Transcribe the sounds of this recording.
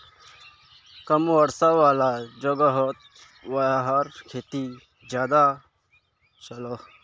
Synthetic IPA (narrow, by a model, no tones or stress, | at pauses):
kəmʋəɾsaʋaːlad͡ʒoɡəɦot̪̚ | waɦaːɾkʰeːt̪i | d͡ʒjaːd̪a | t͡ʃɐlo